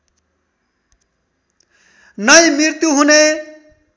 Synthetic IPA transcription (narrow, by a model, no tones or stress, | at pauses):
nʌjmiɾt̪juɦune